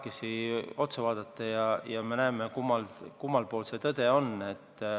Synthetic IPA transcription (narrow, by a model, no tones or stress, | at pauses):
kːesio̞t̪sevɑːd̪̥ɑt̪ːɑjɑjɑme̞næemekumːɑlkumːɑlpo̞ːlset̪ɤd̪̥e̞o̞ne̞t̪ː